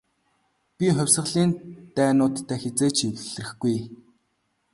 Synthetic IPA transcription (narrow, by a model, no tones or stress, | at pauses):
pʲiχʊwʲsə̆ɮiːnt̪æːnʊːt̪ːæːxet͡seːt͡ɕʰiwɮ̆rɘ̆xɡuj